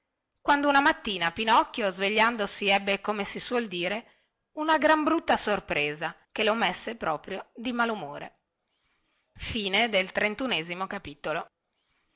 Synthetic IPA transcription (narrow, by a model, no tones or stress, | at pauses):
kwand̪ounamat̪ːiːnapinɔkːjozveʎːand̪osiɛbːekomesiswɔld̪iːɾe | unaɡɾambɾut̪ːasorpɾeːza | kelomesːepɾɔːpɾjod̪imalumoːɾḛ | fiːned̪elt̪ɾent̪uneːzimokapiːt̪olo